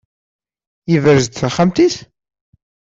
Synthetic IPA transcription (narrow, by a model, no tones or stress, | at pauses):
jivəɾzt̪θχamt̪is